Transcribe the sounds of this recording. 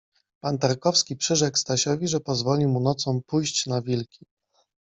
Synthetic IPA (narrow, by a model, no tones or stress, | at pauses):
pant̪aɾkɔfskʲipʂɘʐɛkst̪aɕɔvʲiʐɛpɔzvɔlʲimunɔt̪sɔ̃w̃pujɕt͡ɕnavʲilkʲʰi